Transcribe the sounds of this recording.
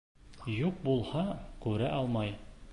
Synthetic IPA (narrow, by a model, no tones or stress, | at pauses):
juq̚bulˠhɑkʉɾæʔɑlˠmɑj